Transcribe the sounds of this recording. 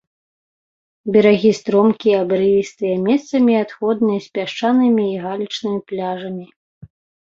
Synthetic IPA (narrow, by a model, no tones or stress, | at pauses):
bʲɛɾaɣʲist̪ɾɔmkʲiɐbɾɨjist̪ɨjɛmʲɛst̪sɐmʲiat̪xɔd̪nɨjɐsʲpʲaʂt͡ʂanɨmʲiːɣalʲit͡ʂnɨmʲiplʲaʐɐmʲi